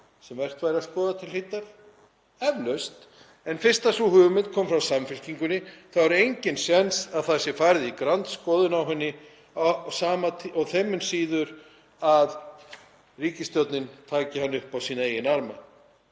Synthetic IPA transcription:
sɛmvɛr̥t̪vajɾɪaskɔːðat̪ʰɪlhɪjt̪ːaɾ̥ | ɛvlœst̪ | ɛnfɪ̥st̪asuhʏːɣʏmɪnt̪̚kʰɔːmfɾawsamfɪlciŋkʏnːɪθavaɾejɲcɪnsjɛnsaðθaðsjɛɾfaːɾðɪikɾant̪skɔːðʏnawɦɛnːɪ | saːmat̪ʰɔθɛmːʏnsiːðʏɾ | að | riːcɪst̪jɔwt̪nɪnt̪ʰaːcɪhanːɪʏhpawsiːnaejɪnaɾma̰

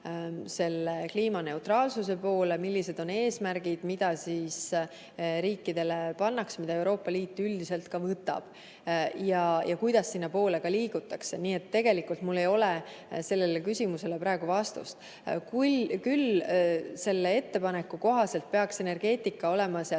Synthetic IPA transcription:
se̞lːe̞kliːmɑne̞wt̪rɑːlsuse̞po̞ːle̞milːise̞d̪̥o̞ne̞ːsmæɾɡ̥id̪̥mid̪ɑsis | ɾiːkːˑid̪e̞le̞pɑnːɑksmid̪ɑe̞wɾo̞ːpːˑɑliːt̪ːˑyld̪ise̞lt̪kɑvɤt̪ːˑɑ̰b̥ | jɑjʔɑkujd̪̥ɑsːinːɑpo̞ːle̞kɑliːɡ̥ut̪ːˑɑkse̞niːe̞t̪ːe̞ɡ̥e̞likːult̪mulːe̞jo̞le | se̞lːe̞lekysʲimuse̞le̞pɾɑeɡ̥uvɑst̪ṵst̪ | kukyl | se̞lːee̞t̪ːe̞pɑne̞kːˑuko̞ɦɑse̞lt̪̚pe̞ɑkse̞ne̞rɡ̥e̞ːt̪ːˑikːɑo̞le̞mɑsɑ

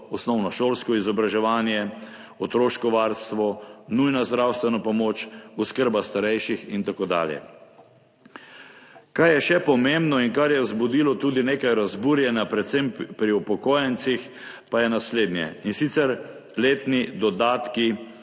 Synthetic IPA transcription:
ɔsnɔwnɔʃoːlskɔizɔbɾaʒɛʋaːnjɛ | ɔt̪ɾoːʃkɔʋaːɾst̪ʋɔnujnazd̪ɾawst̪ʋɛnɔpɔmoːt͡ʃuskəɾbast̪aɾɛjʃixint̪akoːd̪a̰ːljɛ̰ | kajɛʃɛpɔmembnɔinkaɾjɛzbud̪ilɔt̪uːd̪ineːkajɾazbuːɾjɛnapɾɛt̪sempɾiupɔkoːjɛnt̪six | pajɛnasleːd̪njɛ̰insit̪sɛɾ | leːt̪nid̪ɔd̪aːt̪ki

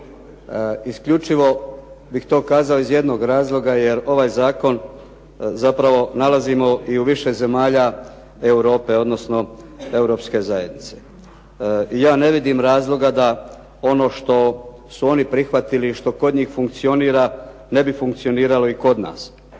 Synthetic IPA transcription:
iskʎut͡ʃiʋo̞ | bixt̪o̞ːkaːzao̞izje̞d̪no̞ɡɾaːzlˠo̞ɡaje̞ɾo̞ʋaːjzaːko̞n | zapɾaʋo̞nalazimo̞ʔiuʋiʃe̞ze̞maːʎa | euɾo̞ːpe̞o̞d̪no̞sno̞e̞wɾo̞pske̞zaje̞d̪nit̪se̞̥ | ijaːne̞ʋid̪imɾaːzlˠo̞ɡad̪a | o̞no̞ːʃt̪o̞ | suo̞nipɾixʋat̪iliʃt̪o̞ko̞d̪ɲiːxfuŋk̚t̪sio̞niːɾa | ne̞bifuŋkt̪sio̞niːɾalo̞iko̞d̪na̰ːs

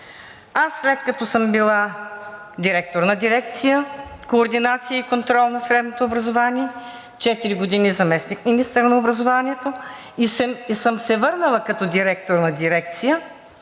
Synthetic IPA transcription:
asːlɛt̪kɐt̪ɔsəmbilˠa | d̪iɾɛk̚t̪oɾnɐd̪iɾɛkt̪sijəkoːɾd̪inat̪sijəikont̪ɾɔlˠnɐsɾɛd̪not̪oːbɾɐzovaniɛ | t͡ʃɛt̪iɾiɡod̪inizɐmɛsnikminist̪əɾnɐobɾɐzovaniɛt̪o | isɛisəmsɛvɤɾnəlˠəkɐt̪ɔd̪iɾɛk̚t̪oɾnɐd̪iɾɛk̚t̪sijə

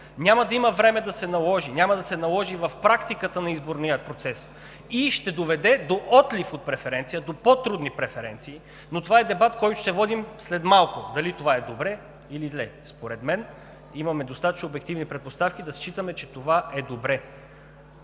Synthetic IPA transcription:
nʲamɐd̪ɐiməvɾɛmɛd̪ɐsɛnɐlˠɔʒinʲamɐd̪ɐsɛnɐlˠɔʒivɐfpɾakt̪ikət̪ənɐizboɾniət̪̚pɾot̪sɛs | iʃt̪ɛd̪ovɛd̪ɛd̪oʔɔt̪lifot̪̚pɾɛfɛɾɛnt̪sijəd̪opot̪ɾud̪nipɾɛfɛɾɛnt̪siː | not̪ovaɛd̪ɛbat̪kɔjt̪ʊ̥sɛvɔd̪imslɛd̪malˠkʊd̪ɐlit̪ovaɛd̪obɾɛ | ilizlɛspoɾɛd̪mɛn | imɐmɛd̪ost̪at̪ɐt͡ʃnoobɛk̚t̪ivnipɾɛt̪̚post̪afkid̪ɐst͡ʃit̪əmɛt͡ʃɛt̪ovaʔɛd̪obɾɛ

